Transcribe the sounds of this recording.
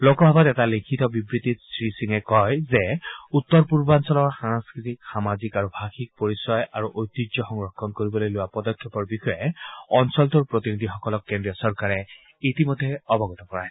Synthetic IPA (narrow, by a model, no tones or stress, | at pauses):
lokɔbʱabatɛtalikʰitɔbibɹit̪itsɹisiŋɛkɔjzɛut̪ːɔɹpuɹbansɔlɔɹxanaskɹitikxamazikaɹubʱaxik̚poɹisɔjaɹuʔojt̪id͡ʒɔxɔŋɹɔkʰːɔnkoɹibɔlojlʊwapɔdɔkʰːjɔpɔɹbixɔjɛɔnsɔlt̪uɹpɹot̪inid̪ʱixɔkɔlɔkːɛndiɔsɔɹkaɹɛ | itimɔd̪ʱːɛɔbɔɡɔt̪ɔkɔɹaj